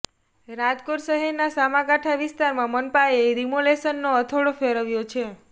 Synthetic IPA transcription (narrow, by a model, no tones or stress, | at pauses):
ɾad͡ʒkoɾsəɦeɾnasamãkaʈʰaʋɪst̪aɾmãmənpaeɾimolesənːoət̪ʰoɭofeɾəʋjot͡ʃʰe